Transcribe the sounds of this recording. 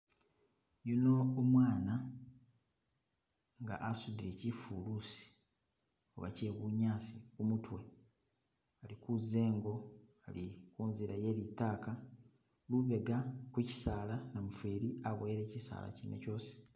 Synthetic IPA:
junoːmwaːna | ŋɡa̰ʔasudiɾe̞cifulusi̥ | o̰βa̰ce̞ːβuɲaːsikumutwe̞ | alikuze̞ːŋɡo̞ | alikuːnziɾaje̞litaːka | luβe̞ɡakuci̥saːlanamufeɾiaβweɾe̞ːcisa̰ːla̰cinːḛco̞ːsi̥

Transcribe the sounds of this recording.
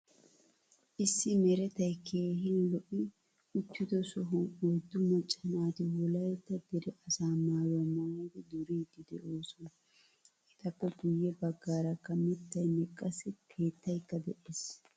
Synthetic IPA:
ʔɪsːɪmɛɾɛt̪ɐjkʰeːɦɪnlɔʔɪ | ʊt̪ːɪd̪ɔsɔɦʊwɔjd̪ːʊmɐt͡ʃʼːɐnaːt̪ɪwɔlɐjɛt̪ːɐd̪ɛɾɛʔɐsaːmaːwɐmad̪ɛd̪ʊɾiːd̪ɪd̪ɛʔoːsɔn | hɛt̪ɐkːɔɡʊjːɛbɐɡːaːɾɐkːɐmɪt̪ːɐjnɛkʼːɐsɪkʰe̞ːt̪ːɐjkːɐd̪ɛʔeːs

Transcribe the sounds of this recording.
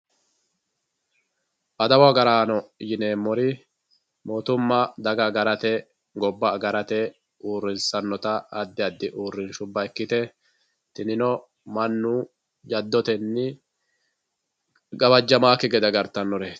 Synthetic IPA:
ʔɐd̪ɐwaɡɐɾaːnɔjɪneːmːɔɾɪ | moːt̪ʊmːɐd̪ɐɡɐɡɐɾɐt̪ɛ | ɡɔbːɐɡɐɾɐt̪ɛ | ʔuːrːɪnsɐnːɔt̪ɐːd̪ːɪɐd̪ːɪʔuːrːɪnʃʊbːɐɛkːɪt̪ɛ | t̪ɪnɪnɔ | mɐnːuː | d͡ʒɐd̪ːɔt̪ɛnːɪ | ɡɐbɐd͡ʒːɐmaːkːɪɡɛd̪ɐɡɐɾt̪ɐnːɔɾeː

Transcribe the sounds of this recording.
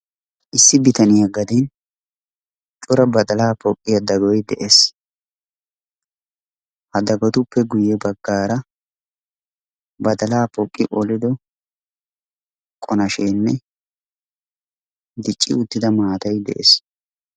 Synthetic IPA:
ʔɪsːɪbɪt̪ɐnɪjɐɡɐd̪in | t͡ʃʼʊɾɐbɐd̪ɐlaːpɔkʼːɪjɐd̪ɐɡɔjd̪ɛʔes | hɐd̪ɐɡɔt̪ʊpːɛɡʊjɛbɐɡːaːɾɐ | bɐd̪ɐlaːpɔkʼːɪʔɔlɪd̪ɔ | kʼɔnɐʃeːnːɛ | d̪ɪt͡ʃʼːɪ̰ʊt̪ːɪd̪ɐmaːt̪ɐjd̪ɛ̰ʔḛs

